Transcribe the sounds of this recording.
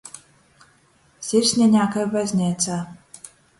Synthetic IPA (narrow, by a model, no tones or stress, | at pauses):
sʲiɾʲsʲnʲɛɲʲaːkajbajzʲnʲɛːt̪saː